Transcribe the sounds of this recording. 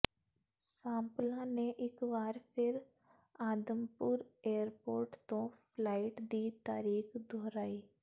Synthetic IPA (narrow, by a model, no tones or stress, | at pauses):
sãːmplãːneʔɪkʋaːɾpʰɪɾ | aːd̪əmpʊɾeːəɾpoːɾʈt̪õːpʰlaːɪʈd̪iːt̪aːɾiːxd̪ʱoːɾaːiː